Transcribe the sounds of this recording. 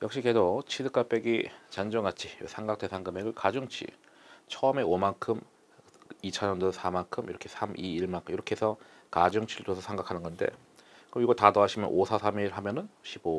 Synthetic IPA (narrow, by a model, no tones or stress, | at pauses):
jʌk̚ɕ͈ikedot͡ɕʰidɯk͈ap͈e̞ɡit͡ɕand͡ʑoŋat͡ɕʰisʰaŋɡak̚te̞sʰaŋɡɯme̞ɡɯɭkad͡ʑuŋt͡ɕʰḭ | t͡ɕʰʌme̞omankʰɯm | it͡ɕʰʌɲʌndosʰamankʰɯmḭɾʌkʰe̞sʰamʔiiɭmakiɾʌkʰesʰʌ | kad͡ʑuŋt͡ɕʰiɯɭtosʰʌsʰeŋɡakʰanɯnɡʌnde̞̰ | kɯmiɡʌtatʌaɕʰimjʌnʔosʰasʰamiɭɦamjʌnɯnɕʰibo